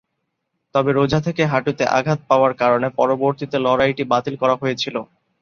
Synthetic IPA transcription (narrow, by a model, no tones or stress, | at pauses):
t̪ɔbeɾod͡ʑʱat̪ʰekeɦaʈut̪eʔa̰ɡʱat̪̚paoaɾkaɾonepɔɾoboɾt̪it̪elɔɾajʈibat̪ilkɔɾaɦojet͡ɕʰilo